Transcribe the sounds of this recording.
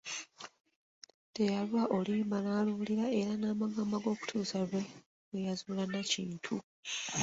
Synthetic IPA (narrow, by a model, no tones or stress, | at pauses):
tejalwaʔo̞liːmbanaːluliɾae̞ɾanaːmaɡamaɡo̞ːku̥tʰuːsaɾwe̞ | wejazuːlanaciːntʰu